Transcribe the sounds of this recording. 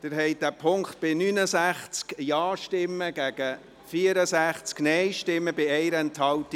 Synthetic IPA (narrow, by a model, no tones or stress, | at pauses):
d̥ɪɾɦɛɪd̥æpʰʊŋkt̪̚b̥ɪnynəsæχt͡skjɑːʃtɪmːəɡ̥æɡ̥ə | fiəɾəsæχt͡sknɛɪʃtɪmːəbɪɛɪɾɛnthɑlti